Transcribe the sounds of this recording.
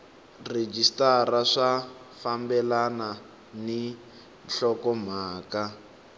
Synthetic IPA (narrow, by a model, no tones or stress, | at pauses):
red͡ʒistaraʂa | fambɛlana | ni | nɬɔkɔm̤aːka